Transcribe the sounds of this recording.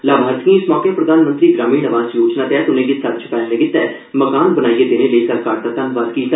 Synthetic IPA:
laːbʱaːɾt̪kĩɪsmɔːkepɾəd̪aːnmə̃nt̪ɾiːɡɾaːmiːnəʋaːzjoːt͡ʃnaːt̪ɛːt̪ʊnẽːd͡ʒɪsət̪t͡ʃʰpɛːlleːɡɪt̪ːɛ | məkaːnbənaːiːeːd̪ɪneːləisəɾkaːɾt̪at̪ənʋad̪kiːt̪

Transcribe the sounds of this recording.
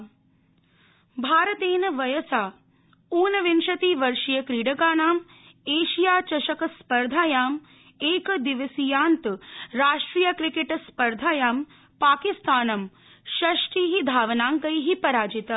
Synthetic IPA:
bʱaːɾɐt̪eːnɐʋɐjɐsaː | uːnɐʋinʃɐt̪iːʋɐɾʂijɐkɾiːɽɐɡaːɳaːm | eːʃijaːt͡ʃɐʃɐkɐspɐɾd̪ʱaːjaːm | eːkɐd̪iʋɐsijaːnt̪ɾaːʂʈɾiːjɐkɾikeʈspɐɾd̪ʱaːjaːm | paːkist̪aːnɐm | ʃɐʂʈiːɦid̪ʱaːʋɐnaːŋkɐjɦipɐɾaːd͡ʒit̪ɐ

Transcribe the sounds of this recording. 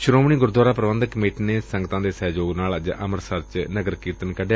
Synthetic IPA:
ʃʊɾoːmɳiːɡʊɾd̪waːɾaːpɾəʋə̃nd̪əkəmeːʈːneːsə̃ŋɡət̪ãːd̪eːsɛːd͡ʒoːɡnaːld͡ʒʔəməɾsəɾt͡ʃnəɡəɾkiːt̪ənkəɖe

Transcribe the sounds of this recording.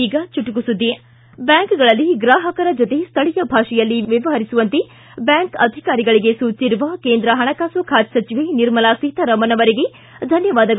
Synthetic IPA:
iːɡɐt͡ʃuʈukusud̪ːi | bjaːŋkɡɐɭɐlːiɡɾaːɦɐkɐɾɐd͡ʒot̪e̞st̪ʰɐɭijɐbʱaːʂɛjɐlːiʋjɐʋɐɦɐɾisuʋɐnt̪e | bjaːŋkɐd̪ʱikaːɾiɡɐɭiɡe̞suːt͡ʃiɾuʋɐkeːnd̪ɾɐɦɐɳɐkaːsoːkʰaːt̪sɐt͡ʃiʋeniɾmɐlasit̪ɐɾɐmɐnɐʋɐɾeɡe | d̪ʱɐnjɐʋaːd̪ɐɡ

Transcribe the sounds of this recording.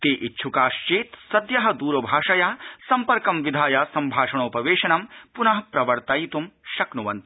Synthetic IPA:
t̪eːʔitːʃʰukaːʃt͡ʃeːt̪sɐd̪jɐɦɐd̪uːɾɐbʱaːʂɐjaːsɐmpɐɾkɐmʋid̪ʱaːjaːsɐmbʱaːʂɐɳ̃oːpɐʋeːʃɐnɐmpunɐɦɐpɾɐʋɐɾt̪ɐjit̪umʃɐknuʋɐnt̪

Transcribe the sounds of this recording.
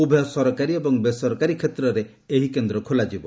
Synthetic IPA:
ubʱejɔsɔɾɔkaɾiebɔŋbesɔɾɔkaɾikʰet̪ɾɔɾe | eɦikend̪ɾɔkʰolad͡ʒibɔ

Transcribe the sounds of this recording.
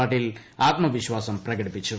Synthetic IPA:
aːʈːilaːt̪̚mɐʋiɕʋaːsɐmprɐɡɐɽipːit͡ɕːu

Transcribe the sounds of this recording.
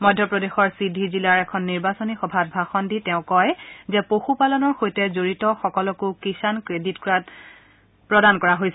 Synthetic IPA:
mɔjdʱːjɔpɹɔdexɔɹsidʱizilaɹɛkʰɔnːiɹbasonixɔbʱat̚bʱaxɔnditɛʊ̃kɔjzɛpoxupalɔnɔɹxojtɛzoɹitɔxɔkɔlɔkʊkisankɹeditkɹat | pɹɔdankɔɹaɦojsɛ

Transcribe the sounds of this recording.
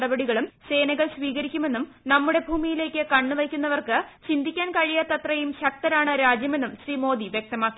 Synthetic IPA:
ɽɐbɐɽiɣɐɭumse̞ːnɐɣɐɭsʋiːɣɐɾikʲːume̞nːum | nɐmːuɽe̞bʱuːmijile̞ːkʲːɨkɐɳːɨʋɐjkʲːunːɐʋɐrkɨt͡ɕind̪ʱikʲːaːnkɐɻijɐt̪ɐt̪rɐjumɕɐk̚t̪ɐɾaːɳɨɾaːd͡ʑjɐme̞nːumɕriːmo̞ːd̪iʋjek̚t̪ɐmaːkːi

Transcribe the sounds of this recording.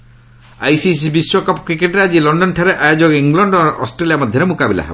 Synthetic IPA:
ajsis̬ibiswɔkɔpɔkɾikeʈɾead͡ʒilɔɳɖɔnʈʰaɾeʔajod͡ʒɔɡɔiŋlɔɳɖɔɔ̰sʈɾeliamɔd̪ʱjɔɾemukabila̰ɦḛbɔ

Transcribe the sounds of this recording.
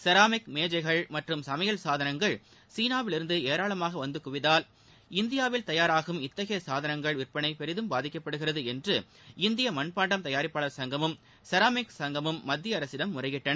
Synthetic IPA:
sɐɾaːmɪkmeːd͡ʒɐɪɣɐɭmɐʈrɯmsɐmɐjɐlsaːðɐnɐŋɡɐɭ | siːnaːʋɪlɪɾɯnd̪ɯeːɾaːɭɐmaːɣɐʋɐnd̪ɯkʊʋɪðaːl | ɪnd̪ɪjaːʋɪlt̪ɐjaːɾaːɣɯmɪt̪ːɐɣɐjɐsaːðɐnɐŋɡɐɭʋɪrpɐɳɐɪpɛɾɪðɯmbaːðɪkːɐpːɐɽɯɣɪrɐðɯɛndrɯ | ɪnd̪ɪjɐmɐnpaːɳɖɐmt̪ɐjaːɾɪpːaːɭɐɾsɐŋɡɐmɯm | sɐɾaːmɪksɐŋɡɐmɯmːɐd̪ʱːjɪɐɐɾɐsɪɽɐmːʊrɐɪjɪʈːɐnɐ

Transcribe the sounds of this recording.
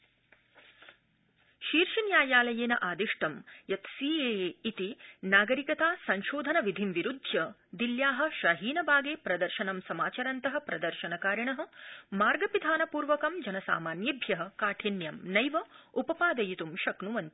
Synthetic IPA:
ʃiːɾʃinjaːjaːlɐjeːnɐʔaːd̪iʂʈɐmjɐt̪siːeːit̪inaːɡɐɾikɐt̪aːsɐɲʃoːd̪ʱɐnɐʋid̪ʱimʋiɾud̪ʱjɐ | d̪iljaːɦɐ̆ʃɐɦiːnɐbʱaːɡeːpɾɐd̪ɐɾʃɐnɐmsɐmaːt͡ʃɐɾɐnt̪ɐɦɐ̆pɾɐd̪ɐɾʃɐnɐkaːɾɐɳɐɦɐ̆maːɾɡɐpid̪ʱaːnɐpuːɾʋɐkɐmd͡ʒɐnɐsa̰ːmaːnjɐbʱjɐɦɐ̆kaːʈʰinjɐmnɐjʋɐupɐpaːd̪ɐjit̪umʃɐknuʋɐnt̪i̥

